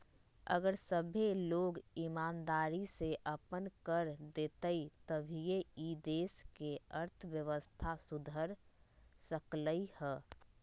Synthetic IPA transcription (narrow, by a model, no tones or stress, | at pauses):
ə̰ɡəɾsəbʱeloːɡimaːnd̪aːɾiseʔəpənkəɾd̪eːt̪əit̪əbʱijeid̪eːskeəɾt̪ʰəʋjəʋəst̪ʰasud̪ʱəɾsəkləihɛː